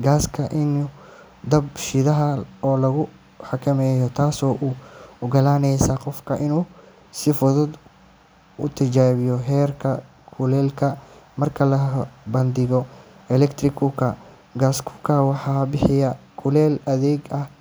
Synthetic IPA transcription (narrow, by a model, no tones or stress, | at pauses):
ɡaːskʰɐʔɪnu | d̪ɐbʃɪðɐɦɐɔːlɐɣʊ | ħɑkʰɐmɛːjɔt̪ʰaːsɔːʔuːʊɡɐlaːnɛjsɐqɔfkʰɐʔɪnuː | sɪfʊðʊd̪ | ʊt̪ʰɐt͡ʃaːβɪjɔɦɛːrkʰɐ | kʰʊlɛːlkʰɐmɐrkʰɐlɐbɐnd̪ɪɣɔ | ɛlɛkt̪ʰrɪkʰʊkʰɐ | ɡaːskʰʊ̥kʰɐwɑħɑːbɪħɪjɐkʰʊlɛːlɐðɛːɡɐh